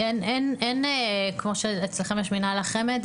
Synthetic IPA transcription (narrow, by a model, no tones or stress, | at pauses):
enenenekmo̞ʃeːt͡slaχemeʃminalaχemed̪